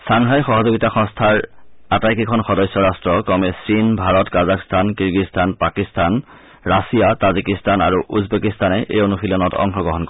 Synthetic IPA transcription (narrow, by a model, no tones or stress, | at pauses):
saŋɦajxɔɦɔzoɡitaxɔ̃ŋstʰaɹatajkikʰɔnxɔdɔjsɔɹastɹɔkɔmɛsɹinbʱaɹɔtkazakstʰankiɹɡistʰanpakistʰan | ɹasijatazikistana̰ɹuʔuzbekistanɛʔejonuxilɔnɔtɔ̰ŋxɔɡɔɦɔnkɔ